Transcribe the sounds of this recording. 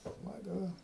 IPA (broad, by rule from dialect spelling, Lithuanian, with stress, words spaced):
smɐˈɡʊ